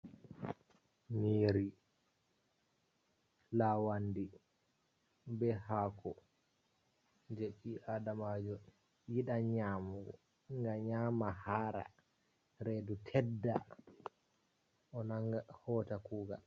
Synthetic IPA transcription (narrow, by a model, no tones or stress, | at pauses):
niːɾi | lawandi | bɛhaːkʰɔ | d͡ʒeɓiʔaːdamad͡ʒɔn | jiɗaɲaːmuɡɔ̰ | ŋɡaɲaːmahaːɾa̰ | ɾedutʰɛdːa | ʔɔnaŋɡahɔːtakuːɡa̰l